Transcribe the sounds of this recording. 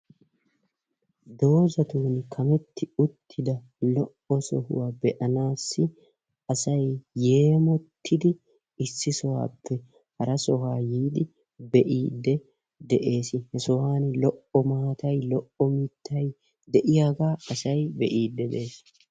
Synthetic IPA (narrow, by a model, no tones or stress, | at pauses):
d̪o̞ːzɐt̪uːnkʰɐmɛt̪ːɪʊt̪ʰːɪd̪ɐ | lɔʔɔsɔhʊ̰waːbɛʔɐnaːsːɪ | ʔɐsɐjje̞ːmɔt̪ʰːɪd̪ɪ | ɪsːɪsɔwa̰ːpʰːɛ | hɐɾɐsɔɦaːjiːd̪ɪ | bɛʔiːd̪ːɛ | d̪ɛʔe̞ːsɪhɛsɔhaːnlɔʔɔmaːt̪ɐjlɔʔɔmɪt̪ʰːɐj | d̪ɛʔɪjaːɡaːɐsɐjbɛʔiːd̪ːɛd̪e̞ːs